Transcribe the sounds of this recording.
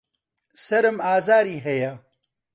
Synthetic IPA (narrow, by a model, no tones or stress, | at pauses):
sɐɾɨmaːzaːɾiːɦɐjɐ